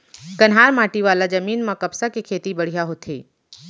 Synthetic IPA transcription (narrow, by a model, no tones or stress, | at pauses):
kɐnɦaːɾmaːʈiʋaːlad͡ʒɐmiːnmãkɐpsakekʰeːt̪ibɐɽ̤ijaɦot̪ʰḛː